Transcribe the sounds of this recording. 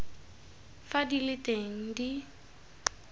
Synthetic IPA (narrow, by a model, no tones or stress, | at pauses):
fadilɪtʼeŋ̩di